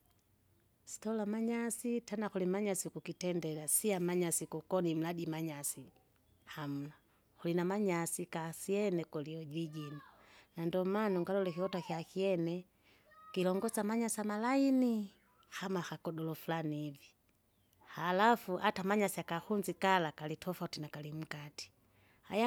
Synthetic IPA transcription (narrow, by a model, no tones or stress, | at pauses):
si̥tɔlamaɲasitanaxulimaɲasikukitɛndɛlasiamaɲasikukɔnim̩ladimaɲasi | ham̩la | hulinamaɲasikasiɛnɛkɔliɔd͡ʒiɟina | nandɔmanɔŋɡalɔlɛkiɔtakiakiɛnɛ | kilɔŋɡɔsamaɲasamalaini | hamahakɔdɔlɔfulaniːvi | halafuʔatamaɲasiakahunzikalakalitʰɔfautinakalim̩kati̥ | ha̰ja